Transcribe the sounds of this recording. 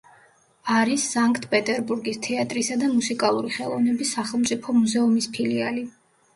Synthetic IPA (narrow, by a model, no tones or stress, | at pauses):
aɾisːaŋkʼt̪ʰpʼɛt̪ʼɛɾbuɾɡist̪ʰɛat̪ʼɾisad̪amusikʼalˠuɾiχɛlˠɔ̰vnɛbisːaχɛlˠmt̪sʼipʰɔmuzɛumispʰiliali